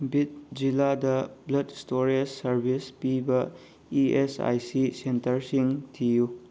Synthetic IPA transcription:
bit̚d͡ʒiladɐblɐdstoɾisːɐɾbʱispibɐ | iesa̰jsisentɐɾsiŋtʰiju

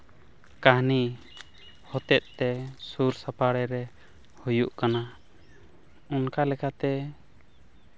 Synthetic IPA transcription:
kaɦni | hɔt̪ɛt̪̚ˀt̪ɛsuɾsapaɽɛɾɛ | hujuʔkana | unkalɛkat̪ɛ

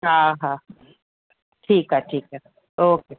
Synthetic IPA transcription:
ɦãːɦã | ʈʰiːkɦɛʈʰiːkɦɛ | oːkeː

